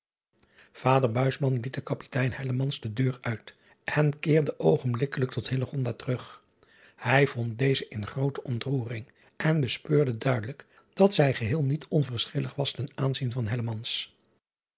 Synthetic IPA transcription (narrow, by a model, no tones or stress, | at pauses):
v̥aːdəɹbœɥsmɑnlit̚dəkɑpi̥tɛjnhɛləmɑnzdədøːɹœɥt | ʔɛnkɪːɹdəʔowχənblɪkələk̚tɔthɪləχɔndaːtərɵχ | hɛjv̥ɔnt̚dejzəʔɪnχrowtəʔɔntruːrɪŋ | ʔɛnbəspøːɹdədœɥdələk | d̥ɑtsɛjχəɦɪːlˠnitɔnvəɹsχɪləχʋɑstɛnaːnzinvɑnɦɛləmɑns